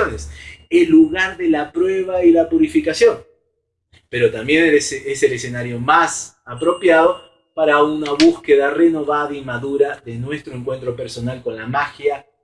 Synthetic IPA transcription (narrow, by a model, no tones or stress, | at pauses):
oneselːuɣaɾðe̞lapɾwe̞βailapuɾifikasjo̞n | pe̞ɾo̞t̪ambje̞nsese̞lese̞naɾjo̞mas | apɾo̞pjaðo̞ | paɾaunaβuske̞ðare̞no̞βaðaimaðuɾaðe̞nwe̞st̪ɾo̞eŋkwe̞nt̪ɾo̞pe̞ɾso̞nalko̞nlamaxja